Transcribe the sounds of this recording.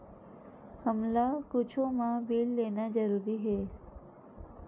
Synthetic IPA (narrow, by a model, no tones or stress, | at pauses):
həmlakʊt͡ʃʰõmãbiːlːeːnad͡ʒəɾuːɾiɦeː